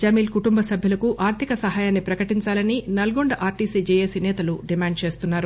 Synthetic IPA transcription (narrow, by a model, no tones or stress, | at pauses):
d͡ʒɐmiːlkuʈumbɐsɐbʱjulɐkuʔaːɾt̪ʰikɐsɐɦaːjaːnːipɾɐkɐʈiɲt͡ʃaːlɐninɐlɡoɳɖɐʔaːɾʈiːsid͡ʒeːjesinɛːt̪ɐluɖimaːɳɖ̚t͡ʃe̞ːst̪unːaːɾu